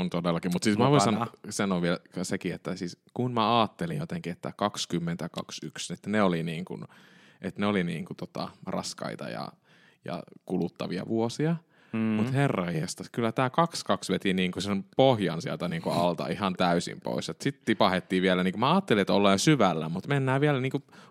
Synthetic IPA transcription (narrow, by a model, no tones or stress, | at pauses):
ont̪odelːɑkimut̪siːsmæʋoissɑnsɑnoːʋʋielsekiet̪ːæsiːskunmæɑːt̪ːelijjot̪eŋkiet̪ːækɑkskymːent̪ækɑksykset̪neoliniːŋkṵn | ʔet̪neoliniːŋkut̪ot̪ɑ̰rɑ̰skɑ̰it̪ɑ̰jɑ̰ | jɑ̰kulut̪ːɑʋiɑ̰ʋuosiɑ | mmut̪herːɑihest̪ɑkylːæt̪æːkɑkskɑksʋet̪iniːŋkusempohjɑ̰nsiælt̪æniːŋkuɑlt̪ɑ̰ihɑnt̪æysḭmpo̰isot̪sit̪t̪ipɑhet̪ːiːʋiælæniːkumæɑːt̪ːeliet̪olːeːnsyʋælːæ̰mut̪menːæːʋiælniːŋku